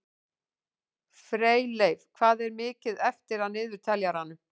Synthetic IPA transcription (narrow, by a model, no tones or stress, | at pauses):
fɾeːjlejv̥kʰvaːðɛɾmɪːcɪðɛft̪ɪɾaðnɪːðʏɾ̥t̪ʰɛljaɾ̥hanːʏ